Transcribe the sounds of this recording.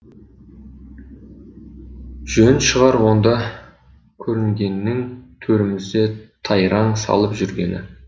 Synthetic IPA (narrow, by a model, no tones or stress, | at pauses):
ʒ̥ɵnʃəʁɑɾwo̞nd̪ɑ | kʲʰɵɾɪŋɡʲe̞nːɪŋt̪ʰɵɾɪmɪzd̪e̞t̪ʰɑjɾɑɴsɑ̰lˠəpʒʏɾɡʲe̞̰nɪ̰